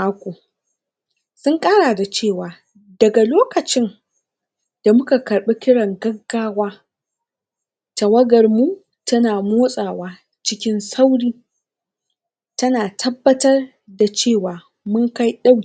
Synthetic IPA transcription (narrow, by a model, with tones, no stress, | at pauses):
aː˦kʷoː˨ | sʊ˦ŋkʼaː˦ɽaː˨da˨t͡ʃeː˦˨waː˨ | dɐ˨ɡa˨loː˦kɐ˨t͡ʃɪ˦n | d̥a˨mʊ˦ka˨kɐ˨ɽɓi˦kʲɪ˦ɽɐ˨ŋɡɐ˦ɡːaː˦waː˦ | ta˨wɐ˦ɡɐ˨rmu˦ | tɐ˦naː˨moː˦sʼaː˨waː˦ | t͡ʃɪ˦kʲɪ˦nsa˦wɽiː˦ | tɐ˦naː˨tʰɐ˦bːɐ˦tɐ˦r | da˨t͡ʃeː˦˨waː˨ | mʊ˦ŋka˦jɗa˦w